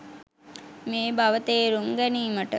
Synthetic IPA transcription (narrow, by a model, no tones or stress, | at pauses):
meːbaʋət̪eːɾumɡæniːməʈə